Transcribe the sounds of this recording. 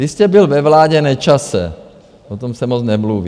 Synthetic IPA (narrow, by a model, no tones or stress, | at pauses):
iscɛbilvɛvlaːɟɛnɛt͡ʃasɛ̰ | pot̪omsɛmɔt͡snɛmluːʋi